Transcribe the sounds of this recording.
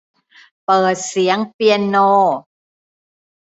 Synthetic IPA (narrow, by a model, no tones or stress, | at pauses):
pəsiaŋpiəno